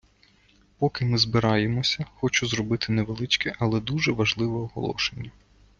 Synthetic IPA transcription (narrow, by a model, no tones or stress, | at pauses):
pɔkɪmɪzbɪɾɑjemɔsʲɐxɔt͡ʃʊzɾɔbɪt̪ɪnɛʋelˠɪt͡ʃkɛʔɐlˠɛd̪uʒɛʋɐʒlˠɪʋɛɔɦɔ̰lˠɔ̰ʃenʲːɐ